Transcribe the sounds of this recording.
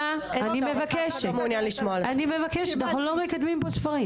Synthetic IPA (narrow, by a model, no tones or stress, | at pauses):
a | animevakɛʃmunjanliʃmɔlanimevakɛʃtnaxlomekad̪mĩmposfɐʁĩm